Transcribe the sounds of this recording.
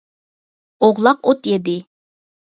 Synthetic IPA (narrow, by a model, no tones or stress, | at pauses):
oʁlˠɑqot̪jed̪ɪ